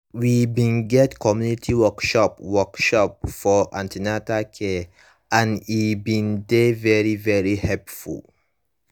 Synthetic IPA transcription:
wibĩnɡɛtkʰɔmjunitʰiwɔkʃɔpwɔkʃɔp̚fɔʔã̰ntʰinatakʰe | ãnibĩndevɛɹivɛɹihɛpfṵl

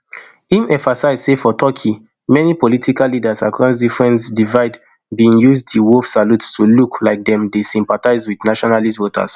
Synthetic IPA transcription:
imɛ̃ɱfasaɪzsefɔtʰɔkʰi | mɛnipɔlitʰikalidasakɹãns̬difɹɛ̃nsdivaɪd | biĩŋjuzdiwofsaluttuluklaɪk̚dɛ̃mdesĩmpataɪzwidnaʃɔnalistvotʰa̰s

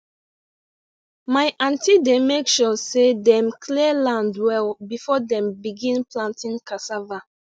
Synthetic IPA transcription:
maɪʔãntidemekʃɔsedɛ̃mkʰliəlãndwɛlbifɔdɛ̃mbiɡĩnplãntĩnkasava

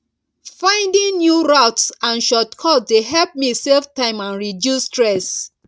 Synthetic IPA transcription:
fãɪ̃ndĩŋnjuɹatsãnʃɔtkʰɔtdeɦɛlp̚miselftãɪ̃mãnɹidjustɹɛs

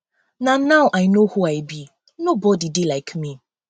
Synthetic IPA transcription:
nanaʊʔaɪnohuaɪbi | nobɔdidilaɪkmi

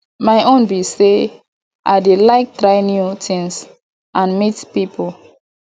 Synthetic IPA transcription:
majʔõnbise | ʔaɪdelaɪk̚tɹaɪnjutʰĩŋs | ʔãnmitpipʰul

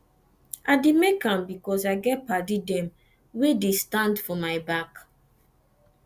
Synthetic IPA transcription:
ʔaɪdemekãmbikɔsaɪɡɛt̚padidɛ̃m | wedestãndfɔmaɪbak

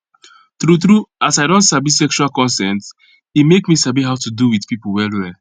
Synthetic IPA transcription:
tɾuθɾuasajdõntsabisɛkʃualkɔ̃nsɛ̃nt | imekmisabiɦaʊtuduwidpipl̩wɛldwɛ

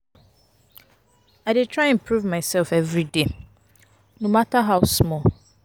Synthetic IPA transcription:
aɪdɪtʰɹaɪ̃mpʰɹuvmãɪsɛlfɛvɾide | nõmataɦaʊsmɔl

